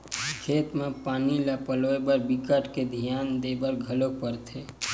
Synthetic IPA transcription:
kʰet̪mepaːnilapəloebəɾbikəʈked̪ʱijand̪ebəɾɡʱəlopəɾt̪ʰe

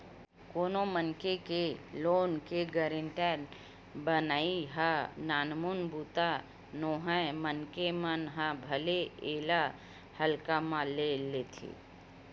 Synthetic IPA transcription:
koːnomənkekeloːnkeɡəɾɪ̃ɳʈɛɾ | bənaːiɦanaːnmunbuːt̪a | noːɦəmənkemənɦãbʱəleeːla | həlkamãlelet̪ʰḛː

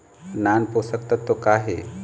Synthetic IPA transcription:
nanposək̚t̪ət̪ːokaɦḛ

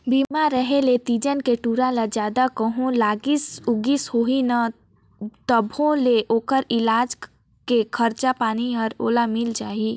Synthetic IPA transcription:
biːmaɾəɦelet̪iːd͡ʒənkeʈuːɾalad͡ʒjaːd̪akəɦõlaːɡɪsʊɡishoːina | t̪əbʱõleʔoːkəɾɪlaːd͡ʒ | kekʰɐɾt͡ʃapaːniɦəɾoːlamɪld͡ʒaːi

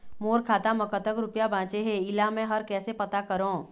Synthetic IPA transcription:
moːɾkʰaːt̪amɐkət̪əkɾʊpjabʱãːt͡ʃeɦɛ̃ɪlamɛ̃ɦɐɾkɛːsepɐt̪akɐɾõː

